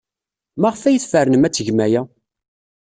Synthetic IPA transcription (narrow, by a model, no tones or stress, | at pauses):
maʁəfæjəθfəɾnəmæt͡sːəʝmæjæ